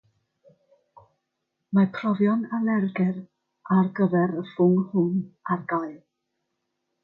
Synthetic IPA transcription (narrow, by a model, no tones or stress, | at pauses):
mapʰrɔvjɔnanɛrɡɛr | arɡəvɛɾəfʊŋhʊnarɡaɨ